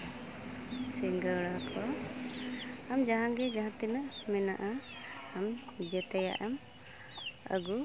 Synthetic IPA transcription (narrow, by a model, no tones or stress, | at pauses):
sɛŋɡəɽakʰɔ | amd͡ʒaɦãɡɛd͡ʒaɦãt̪inəʔmɛna̰ʔa | amd͡ʒɛt̪ɛja̰ʔɛm | ə̰ɡu